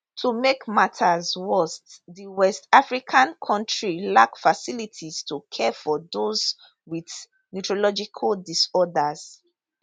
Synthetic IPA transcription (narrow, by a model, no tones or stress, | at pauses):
tʰumekmatʰazwɛstðiwɛstafɹikʰãnkʰɔ̃ntɹilakfasilitʰiz̥tʰukʰɛfɔðoz | wið | nutɹolɔd͡ʒikʰaldisɔdaz̥